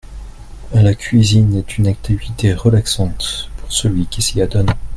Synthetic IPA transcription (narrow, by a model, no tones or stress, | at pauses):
lakʲɥizinɛt̪ʰynak̚t̪ʰivit̪eʁəlaksɑ̃t̪puʁsəlɥikʲisiad̪ɔn